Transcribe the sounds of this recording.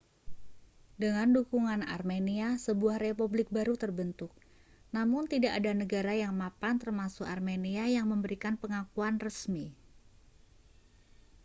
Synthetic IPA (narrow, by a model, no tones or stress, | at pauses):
dəŋandukuŋana̰rmeniasəbuahrepublɪk̚baɾut̪ərbənt̪ʊk̚ | namʊnt̪idaʔːdanəɡaɾajaŋmapant̪ərmasʊkarmeniajaŋməmbəɾikanpəŋakuanrəsmi